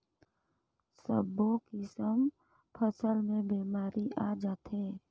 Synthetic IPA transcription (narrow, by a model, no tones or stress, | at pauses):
sə̰bõkisəm | pʰəsəlmẽbeːmaːɾʔiʔaːd͡ʒaːt̪ɦeː